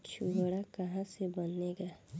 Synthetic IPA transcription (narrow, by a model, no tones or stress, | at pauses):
t͡ʃʰuɡɽakɐɦãsebənːeːɡaː